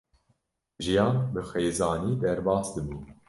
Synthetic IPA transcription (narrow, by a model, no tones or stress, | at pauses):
ʒijɑːnbɨxeːzɑːniːd̪ɛɾbɑːsd̪ɨmiːn